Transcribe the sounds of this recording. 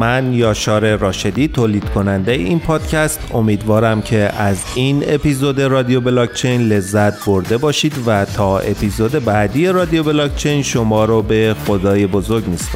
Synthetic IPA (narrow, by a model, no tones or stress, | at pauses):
mænjɒːʃɒːɾe̞ɾɒːʃe̞d̪iːt̪ʰoːliːd̪̥kʰo̞nænd̪e̞jḛʔiːnpʰɒːd̪̥̚cʰæst̪o̞miːd̪vɒːɾæmcʰe̞ʔæz | ine̞pʰiːzod̪e̞ɾɒːd̪ijobeloɡt͡ʃʰe̞jnle̞zːæt̪̚ʰbo̞ɾd̪e̞bɒːʃiːd̪væt̪ʰɒːe̞̰pʰiːzod̪e̞bæd̪ije̞ɾɒːd̪ijobeloɡt͡ʃʰe̞jnʃo̞mɒːɾobe̞xo̞d̪ɒːje̞bo̞zo̞ɾɟmisæ